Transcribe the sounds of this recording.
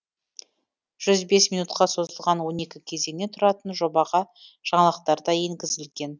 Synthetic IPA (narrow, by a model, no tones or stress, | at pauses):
ʒ̥ʏzbe̞smijnut̪qɑso̞zəlˠʁɑnwo̞ne̞kʲɪkʲʰe̞ze̞ŋne̞t̪ʰʊɾɑt̪ənʒo̞bɑʁɑ | ʒ̥ɑɴɑlˠqt̪ɑɾd̪ɑje̞ŋɡʲɪzɪlɡʲe̞n